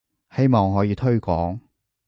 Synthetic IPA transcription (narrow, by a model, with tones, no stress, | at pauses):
he˥jmɔː˨ŋɦɔː˨˥jiː˨˧t̪ʰɵ˥ɥkʷɔː˨˥ŋ